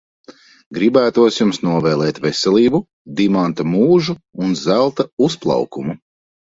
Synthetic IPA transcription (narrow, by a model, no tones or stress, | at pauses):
ɡɾibæːt̪uɔsjumsnuɔvɛːlˠɛːt̪vɛsɛlʲˠiːbu | d̪imant̪amuːʒuːnzælˠt̪ausplˠɑ̰wkumu